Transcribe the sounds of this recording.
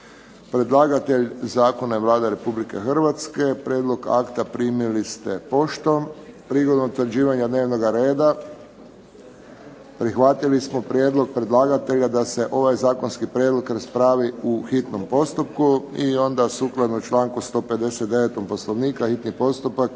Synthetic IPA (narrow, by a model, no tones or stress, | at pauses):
pɾe̞d̪lˠaːɡat̪e̞ʎzaːko̞naʋlˠaːd̪eɾe̞publike̞̰xr̩ʋat̪ske̞pɾjeːd̪lˠo̞ɡa̰kt̪apɾiːmilist̪epo̞ʃt̪o̞mpɾiɡo̞d̪nomt̪ʋr̩d͡ʒiːʋaɲad̪ne̞ːʋno̞ɡaɾe̞ːd̪a | pɾixʋat̪ilismopɾʲjed̪lˠo̞ɡ̚pɾe̞d̪lˠaːɡat̪e̞ʎad̪ase̞ʔo̞ʋajzaːko̞nskipɾjed̪lo̞kɾaspɾaːʋiuxit̪nompo̞st̪upkuio̞nd̪asuklˠad̪nut͡ʃlˠaːŋkust̪o̞ːpe̞d̪e̞set̪d̪e̞ʋet̪ompo̞slˠoʋniːkaxit̪nipo̞st̪upak